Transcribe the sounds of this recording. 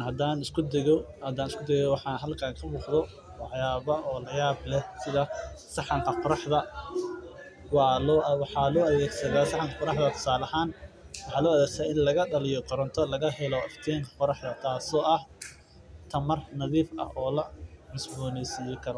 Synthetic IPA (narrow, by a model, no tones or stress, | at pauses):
hɐd̪aːnɪskʰʊd̪ɛɣɔhɐd̪aːnɪskʰʊd̪ɛɣɛwɑħɑːɦɐlkʰaːŋkʰɐbuːqðɔ | wɑħjaːβɐʔɔːlɐjaːblɛsɪðɐsɑħɑŋkʰɐqʊɾɑħðɐ | wɑɔwɑħɑːlɔːʔɐðɛːɡsɐðaːsɑħɑŋkʰɐqɔɾɑħðɐt̪ʰɔ̥saːlɐhaːnwɑħɑːlɔːɐðɛːɡsaːɪnlɐɣɐɗɐlɪjɔqɔɾɔnt̪ʰɔlɐɣɐɦɛlɔɪft̪ʰɛːŋkʰɐ̥qɔɾɑħd̪ɐt̪ʰaːsɔːʔɐh | t̪ʰɐmɐrnɐðiːfʔɐ̰hɔːlɐmɪsbɔːnɛjsijɔkʰɐɾɔ